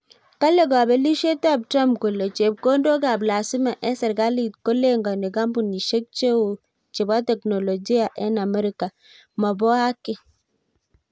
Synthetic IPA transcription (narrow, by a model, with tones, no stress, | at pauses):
ka˦le˨ɡa˨bɛ˦li˦ʃe˦ta˦˨b̚tɾa˦mpko˨le˨t͡ʃe˨b̚ko˦ndo˦ɡa˨bla˨si˦ma˨ʔɛ˦sɛ˨ɾɡa˦li˨tko˦le˦ŋɡa˨ne˨ɡa˦mbu˨ni˨ʃe˦k̚t͡ʃe˦wo˨ | t͡ʃe˨ba˦tɛ˨kno˨lo˨d͡ʒi˦a˨ʔɛ˦na˨mɛ˦ɾi˦ka˨ | ma˨bɔ˦a˦kɪ˦